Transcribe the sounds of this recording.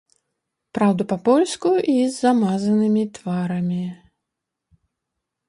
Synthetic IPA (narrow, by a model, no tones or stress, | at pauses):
pɾawd̪upapɔlʲskuizːamazɐnɨmʲit̪vaɾɐmʲi